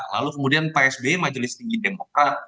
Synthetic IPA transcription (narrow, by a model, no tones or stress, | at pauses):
la̰lukəmudianpeɛsbemad͡ʒəlɪst̪iŋɡidemokɾat̪̚